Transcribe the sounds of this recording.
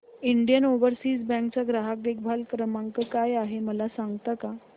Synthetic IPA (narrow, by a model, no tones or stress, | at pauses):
iɳɖjənoʋəɾsiːsbɛ̃ŋk̚t͡saɡɾaɦak̚dek̚bʱalkɾəmaŋkəkajaɦeməlasãŋɡt̪aka